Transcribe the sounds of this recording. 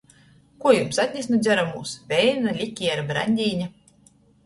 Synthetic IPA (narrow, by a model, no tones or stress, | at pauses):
kuɔjumsat̪ʲnʲesʲnɔd̪zʲæɾamuːsvʲɛjnʲnalʲikʲːiːaɾbɾa̰nʲd̪ʲiːnʲa